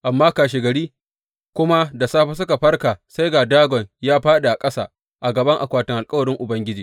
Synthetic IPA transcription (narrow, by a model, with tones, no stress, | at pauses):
ʔa˨mːaː˦kaː˨ʃ̬e˨ɡɐ˨ɽiː˦ | kʷʊ˦ma˦da˨saː˦ɸa˦s̬ʊ˦ka˨ɸɐ˦rkaː˨sa˦jɡaː˨daː˦ɡʷɔ˨ɲjaː˦ɸaː˦ɗa˨ʔa˨kʼɐ˦sa̰ː˨ | ʔa˨ɡɐ˨bɐ˦ŋʔa̰˨kʷaː˦tɪ˨ŋʔa˨lkʼɐ˦wɐ˨ɾɪ˦ŋʔʊ˨bɐ˦ŋɡʲɪ˦d͡ʒiː˨